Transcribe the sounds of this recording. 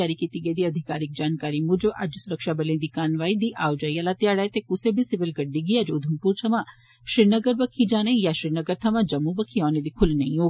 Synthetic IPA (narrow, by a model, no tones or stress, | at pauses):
aːɾikiːt̪iɡəeːd̪iːɐd̪ʱɪkaːɾɪk̚d͡ʒaːnkaːɾimʊd͡ʒoʔɐd͡ʒsʊɾəkʃaːbəliẽd̪iːkaːnʋaːid̪iːʔaːod͡ʒaːialat̪ɪjaːɽaːet̪ekʊsebʱisɪʋɪlɡəɖːiɡiad͡ʒoːd̪ʱəmpuːɾt͡ʃʰɐʋãː | ʃɾɪnəɡəɾbəkʰid͡ʒaːnẽjaːʃɾɪnəɡəɾt̪ʰɐmãːd͡ʒɐmːũbəkʰiaːned̪iːkʰʊlnɐĩoː